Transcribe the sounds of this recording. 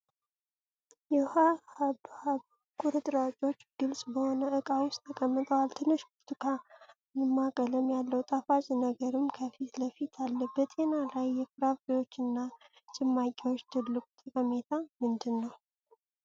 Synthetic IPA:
jɛhaaa | kʼʊɾɨt̪ʼɾat͡ʃʼo̞t͡ʃːɡ̥ɨlsʼbəho̞nəɨkʼawʊst̪ʰəkʼəmːɨt̪ʼəwalt̪ʰɨnːɨʃkʊɾt̪ʰɨkʰa | nɨmːakʼələmjalːəwt̪ʼafat͡ʃʼnəɡəɾɨmkʰəfit̪ləfit̪ʰalːəbət̪ʼe̞nalajːɛfɨɾafejwo̞t͡ʃːɨnːa | t͡ʃʼɪmːakʼiwo̞t͡ʃːt̪ʰɨlːɨkʼut̪ʼəkʼəme̞t̪ʰamɨnd̪ɨnːəw

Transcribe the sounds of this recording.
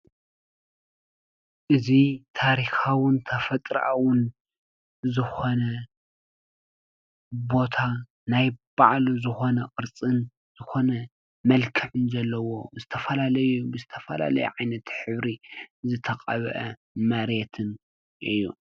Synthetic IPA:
ʔɨzit̪ʰaɾixawɨnt̪ʰɐfɐt̪ʼɾʔawʊn | zɨxo̞nɐ | bo̞t̪ʰa | najb̥aʕlzɨxo̞nɐqʼɨɾt͡sʼɨn | z̥ɨxo̞nɐ | mɐlkʰɨʕɨnzɐlːɐwo̞zɨt̪ʰɐfɐlalɐjubɨzɨt̪ʰɐfɐla̰lɐ̰jṵʕajnɐt̪ħɨβɾizɨt̪ʰɐqʼɐβʔɐ | mɐɾet̪ʰɨn | ʔɨjːu

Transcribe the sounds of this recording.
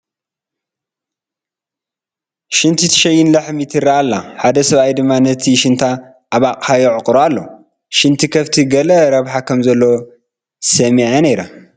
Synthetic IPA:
ʃɪnt̪ʰit̪ʰɨ̥ʃɐjːɪnlɐħmit̪ʰɨɾaalːaħad̪ɐsɐβajd̪ɨmːanɐt̪ʰiʃɪnt̪ʰa | ʔːβakʼħajɛʕɨqʼɾoalːo | ʃɨnt̪ʰikʰɐft̪ʰiɡɐlɐɾɐβħakʰɐmzɐlːo̞ | sɐmiʕɐnejɾa̰

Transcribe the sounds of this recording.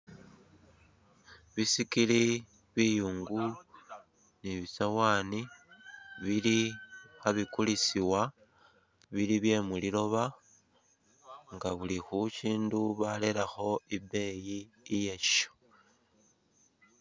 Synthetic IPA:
βisikili | βijuːŋɡu | niβisawaːni | βilixaβikulisiwa | βiliβje̞mulilo̞βa | ŋɡaβulixuciːnduβalelaxo̞ibe̞jiː | jeʃo̥

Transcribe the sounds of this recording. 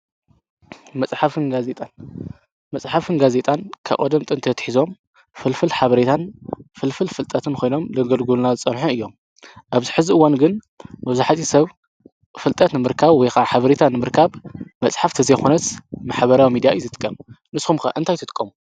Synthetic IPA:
mɐt͡sʼħafɨnɡazet̪ʼan | mɐt͡sʼħafɨnɡaze̞t̪ʼankʰa̰ʔʼɐ̰d̪ɐmt̪ʼɨnt̪ʰɐt̪ħizo̞m | fɨlfɨlħaβɐɾet̪ʰanfɨlfɨlfɨlt̪ʼɐt̪ʰɨnkʰo̞jno̞mlɐɡɐlɡulnazɨt͡sʼɐnħuɨjːom | ʔaβzɨħɨziɨwanɡɨn | mɨβzuħat̪ʰisɐβ | fɨlt̪ʼɐt̪nɨmɨɾkʰaβwɔjxaħaβɐɾet̪ʰanɨmɨɾkʰaβmɐt͡sʼħaft̪ʰɨzɐjxonɐt̪maħβɐɾawimid̪ijaʔjzɨt̪ʼɨ̥kʼːɐmnɨsxumkɐ̰ʔɨnt̪ʰajt̪ʰɨt̪ʼkʼːɐmu

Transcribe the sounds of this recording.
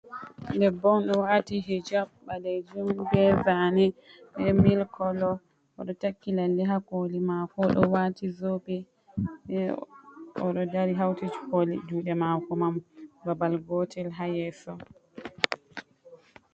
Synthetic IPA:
ndɛbɔnɗɔwatiɦid͡ʒabːalɛd͡ʒumbɛvanɛ | ɗɛmilkʰɔlɔ | ʔɔ̰ɗɔtakːilaldɛɦakolimakɔɗɔ̰watizobɛ | ɛ | ɔɗɔdaɾiɦawtid͡ʒkolid͡ʒuːɗɛmakɔmambabalɡɔtʰɛlɦajɛsɔ

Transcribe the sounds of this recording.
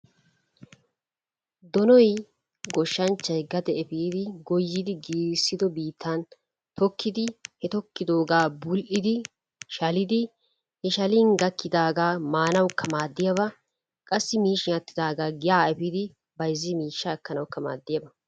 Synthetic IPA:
d̪ɔnɔj | ɡɔʃːɐnt͡ʃːɐjɡɐd̪ɛɛfiːd̪ɪɡɔjːɪd̪ɪɡiːsːɪd̪ɔbiːt̪ʰːɐn | t̪ɔkːɪd̪ɪhɛt̪ɔkːɪd̪o̞ːɡaːbʊlʔɪd̪ɪ | ʃɐlɪd̪ɪ | hɛʃɐliːnɡɐkːɪd̪aːɡaːmaːnɐwkʰːɐmaːd̪ːɪjɐβɐ | kʼɐsːɪmiːʃɪɐt̪ːɪd̪aːɡaːɡɪjaːɛfid̪ɪ | bɐjzːɪmiːʃːaːkːɐnɐwkːɐma̰ːd̪ːɪjɐbɐ

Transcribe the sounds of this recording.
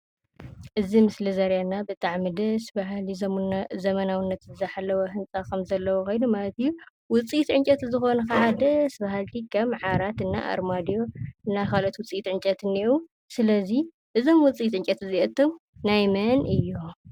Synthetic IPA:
ʔɨzimɨslizɐɾjanːabɨt̪ʼaʕmid̪ɐsbaɦlizɐmɐnawɨnːɐt̪zɨzɐħalːɐwɐhɨnt͡sʼakʰɐmzɐlːɐwokʰo̞jnumalɐt̪ɨjːu | wʊt͡sʼijt̪ʕɨnt͡ʃʼɐt̪zɨxo̞nɐkaad̪ɐsbaɦalt̪ʰikʰɐmʕaɾat̪ɨnːa̰ʔa̰ɾmad̪ijo̞ɨnːakʰalot̪wʊt͡sʼijit̪ʕɨnt͡ʃʼɐt̪ɨniʔu | sɨlɐzi | ʔɨzo̞mwʊt͡sʼijit̪ʕɨnt͡ʃʼɐt̪ɨziʔɐt̪ʰːomnajmɐnɨjːu

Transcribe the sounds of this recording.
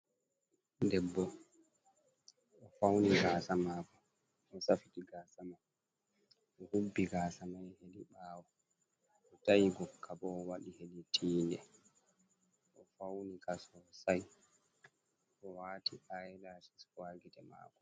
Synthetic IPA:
dɛbːɔ | ʔɔfawniɡaːsamaːkɔ | ʔɔsafitiɡaːsamaj | ʔɔhubːiɡaːsamajheɗiɓaːwɔ | ɔtajiɡɔkʰːabɔːwaɗiheɗitʰiːndɛ | ʔɔfawnikasɔsaj | ʔɔwaːtiʔajɛlasiswaːɡitɛma̰ːkɔ

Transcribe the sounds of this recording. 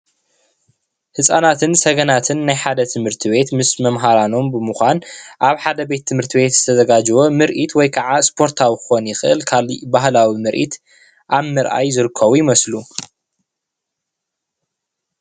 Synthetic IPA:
hɨsʼanat̪ʰɨnsɐɡɐnat̪ʰɨnːajħad̪ɐt̪ʰɨmhɨɾt̪ʰiβe̞t̪mɨsmɐmɦaɾano̞mbɨmɨxʷanʔaβħad̪ɐbe̞t̪ʰːɨmhɨɾt̪ʰiβe̞t̪z̥ɨt̪ʰɐzɐɡad͡ʒwomɨɾʔit̪wɔjkʰaʕaspʰo̞ɾt̪ʰawikɨxo̞njɪxɨʔɨlkʰalibahlawimɨɾʔḭt̪ | ʔaβmɨɾʔa̰jzɨɾɨkʰːɐβujɪmɐslu

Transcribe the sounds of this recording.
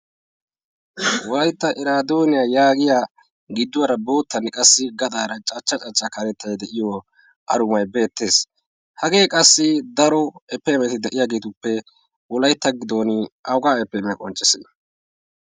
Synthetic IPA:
wɔlɐjt̪ːɐʔɪɾaːd̪o̞ːnɪjajaːɡɪja | ɡɪd̪ːʊwɐɾɐbo̞ːt̪ːɐnkʼɐsːɪɡɐd̪aːɾɐt͡ʃʼɐt͡ʃːɐt͡ʃʼɐt͡ʃʼːakɐɾɛt̪ːɐjɛd̪ɛʔɪjɔ | ʔɐ̰ɾʊmɐjbe̞ːt̪ːe̞ːs | hɐɡe̞ːkʼɐsːɪd̪ɐɾɔɛpːɛmɛt̪ɪd̪ɛʔɪjaːɡe̞ːt̪ʊpːɛ | wɔlɐjt̪ːɐɡɪd̪o̞ːnɪʔɐwɡaːɛpːɛmɛjɐkʼɔnt͡ʃʼːɛsɪn

